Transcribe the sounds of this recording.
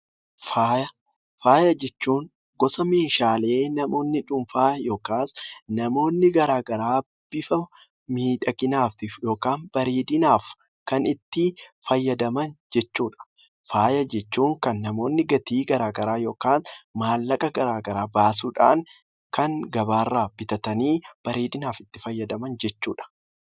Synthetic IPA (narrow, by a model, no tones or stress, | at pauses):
faːjɐ | faːjɐd͡ʒɛt͡ʃːuːŋ | ɡɔsɐme̞ːʃaːle̞ːnɐmo̞ːnːɪᶑʊmfaːjo̞ːkaːsnɐmo̞ːnːɪɡɐɾaːɡɐɾaː | b̥ɪfɐ | miːᶑɐɡɪnaːft̪ɪfjo̞ːkaːnbɐɾeːd̪ɪnaːf | kɐnɪt̪ːɪfɐjːɐd̪ɐmɐnd͡ʒɛt͡ʃːuːᶑɐ̥ | faːjɐd͡ʒɛt͡ʃːuːŋkɐnːɐmo̞ːnːɪɡɐt̪iːɡɐɾaːɡɐɾaːjo̞ːkaːnmaːlːɐkʼɐɡɐɾaːɡɐɾaːbaːsuːᶑa̰ːŋ | kɐŋɡɐbaːrːaːb̥ɪt̪ɐt̪ɐniːb̥ɐɾeːd̪ɪnaːfɪt̪ːɪfɐjːɐd̪ɐmɐnd͡ʒɛt͡ʃːuːᶑɐ̥